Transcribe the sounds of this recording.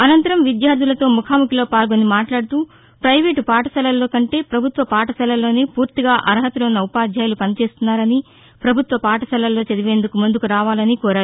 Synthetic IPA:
ɐnɐnt̪ɐɾɐmʋid̪jaːɾd̪ʱilɐt̪o̞ːmukʰaːmukilo̞ːpaːlɡoːnimaːʈlaːɽt̪uː | pɾɐjʋe̞ːʈpaːʈɐsɐlɐlːo̞ːkɐɳʈe̞ːpɾɐbʱut̪ʋɐpaːʈɐsɐlɐlo̞ːneːpuːɾt̪iɡaːʔɐɾɦɐt̪ulɐunːɐupaːd͡ʒ̪ʱjaːjlupɐnit͡ʃe̞ːst̪unːaːɾɐni | pɾɐbʱut̪ʋɐpaːʈɐsɐlɐlːo̞ːt͡ʃɐd̪iʋe̞ːnd̪ukumund̪ukuɾaːʋaːlɐnikɔːɾaːɾu

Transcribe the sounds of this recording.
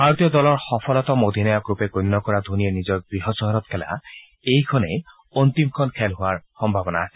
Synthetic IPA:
bʱaɹot̪ijɔd̪ɔlɔɹxɔpʰɔlɔt̪ɔmod̪ʱinɔjɔkɹupekonːɔkɔɹad̪ʱunienizɔk̚ɡɹiɦɔsɔɦɔɾɔt̪kʰɛla̰ | ejkʰɔne | ont̪imkʰɔnkʰɛlɦʊwaɹxɔmbʱabɔna

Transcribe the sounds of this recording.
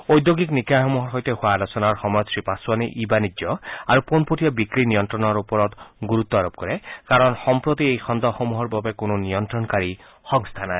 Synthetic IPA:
ojd̪joɡiknikaxɔmuɦɔɹɦojt̪eɦʊaːlɔsɔnaɹxɔmɔjɔt̪sɹipasuwaniʔibanid͡ʒɔaɹuponpotijɔbikɹinijɔnt̪ɹɔnɔɹupɔɾɔt̪ɡuɾut̪ːɔaɾob̚kɔɹɛkaɹɔnxɔmpɹot̪iejxʰɔnd̪ɔxomuɦɔɹbabekʊnoniɔnt̪ɹɔnkaɹi | xɔŋst̪ʰanae

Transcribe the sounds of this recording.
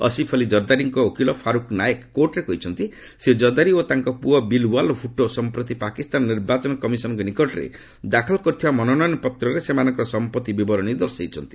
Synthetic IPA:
ɔ̰sipʰɔlid͡ʒɔɾd̪aɾiŋkɔokʰilɔpʰaɾukʰnajekːoɾʈɾekɔɦit͡ʃʰɔnt̪i | sed͡ʒɔd̪aɾiot̪aŋkɔpuɔbilwalfʰuʈosɔmpɾɔt̪ipakist̪anɔnːiɾbat͡ʃɔnɔkɔmisɔnɔŋkɔnikɔʈɔɾḛ | d̪akʰɔlkɔɾt̪ʰibamɔnɔnɔjnɔpɔt̪ɾɔɾesemanɔŋkɾɔsɔmpɔt̪ibibɔɾɔñid̪ɔɾseit͡ʃʰɔnt̪i̥

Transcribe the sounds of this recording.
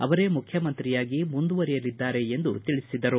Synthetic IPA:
ɐʋɐɾe̞ːmukʰjɐmɐnt̪ɾijaːɡimund̪uʋɐɾijɐlid̪ːaːɾe̞end̪ut̪iɭisid̪ɐɾu

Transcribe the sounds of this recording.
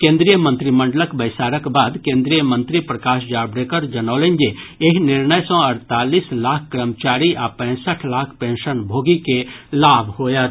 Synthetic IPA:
kẽːnd̪ɾijəmə̃nt̪ɾimə̃ɳɖələkbəɪsaːɾəkbaːd̪kẽːnd̪ɾijəmə̃nt̪ɾipɾəkaːʃd͡ʒaːbɾeːkəɾd͡ʒənaːlend͡ʒeeɦnɪɾnəjsɔ̃əɾt̪aːliːslaːkʰkːɾəmt͡ʃaːɾiʔapɛ̃ːsəʈʰlaːkʰpẽnʃənbʱoːɡikelaːbʱɦoːjət̪

